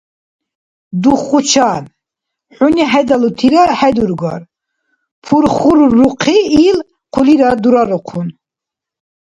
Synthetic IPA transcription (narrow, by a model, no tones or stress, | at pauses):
d̪uχut͡ʃʰan | ħuniɦɛd̪alut̪ʰiɾahɛd̪uɾɡɔ̰ɾ | pʰuɾχuɾːuqʰiːl | qʰuliɾad̪uɾaɾɔqʰun